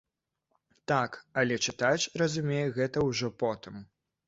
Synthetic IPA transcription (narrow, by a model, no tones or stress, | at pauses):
t̪akɐlʲɛt͡ʂɨt̪at͡ʃʲrɐzumʲejɛɣɛt̪ɐwʐɔpɔt̪ɨm